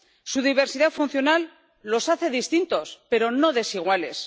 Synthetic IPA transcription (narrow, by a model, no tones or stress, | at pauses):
suðiβ̞e̞ɾsiðafun̟θjo̞nalː | o̞saθe̞ðist̪int̪o̞spe̞ɾo̞no̞ðe̞siɣ̞wale̞s